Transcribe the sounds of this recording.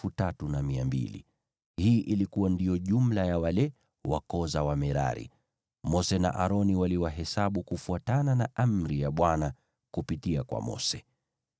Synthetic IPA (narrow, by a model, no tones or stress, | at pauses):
utatunamiambḭlḭ | hiːʔilikuwandijɔʄumlajawalɛ | wa̰kɔzawamɛɾa̰ɾḭ | mɔsɛna̰ʔaɾɔniwaliwaɦɛsaɓukufuatananaʔam̩ɾijaɓwana | kupitiakwa̰mɔ̰sɛ